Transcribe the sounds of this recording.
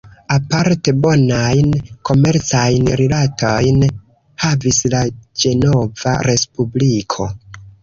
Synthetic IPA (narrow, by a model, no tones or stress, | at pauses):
apaɾte̞bo̞najnkʰo̞me̞ɾt͡sajnɾilatʰo̞jn | havislad͡ʒe̞no̞va̰ɾe̞spublikʰo̞